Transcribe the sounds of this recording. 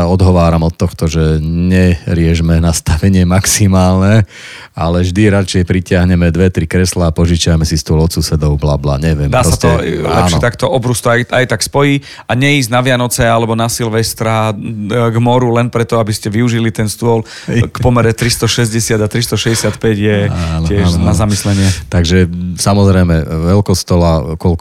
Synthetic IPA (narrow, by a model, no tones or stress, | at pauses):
aɔd̪ɦɔʋaːɾamɔt̪ːɔxt̪ɔʒɛɲɛɾɪɛʒmɛnast̪aʋɛɲɪɛmaksimaːlnɛ | alɛʒd̪iɾat͡ʃɛjpɾicɪaɦɲɛmɛd̪ʋɛt̪ɾikɾɛslaːpɔʒit͡ʃɪajmɛsist̪ʊɔlɔt̪susɛd̪ɔʊbla̰ːbla̰ːɲɛʋɪɛmd̪aːɾɔsast̪ɔɛllaɛ̰ːnʃɛt̪akt̪ɔʔɔbɾust̪ɔajajt̪akspɔji | aɲɛiːznaʋɪanɔt͡sɛalɛbɔnasilʋɛst̪ɾa | ɡmɔɾulɛnpɾɛt̪ɔabiscɛʋiuʒilit̪ɛnst̪ʊɔl | kpɔmɛɾɛt̪ɾist̪ɔʃɛzɟɛsɪad̪at̪ɾist̪ɔʃɛzɟɛsɪat̪pɛɟjɛanɪɛʃnazamislɛɲɪɛt̪aɡʒɛsamɔzɾɛjmɛʋɛlkɔst̪ɔlakɔl